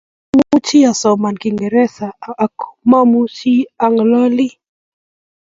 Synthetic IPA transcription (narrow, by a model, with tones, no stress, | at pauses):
mu˦t͡ʃi˦a˨sɔ˨ma˨nki˨ŋɡɛ˨ɾɛ˦saː˨kma˦mu˦t͡ʃi˦a˨ŋlɔ˦li˦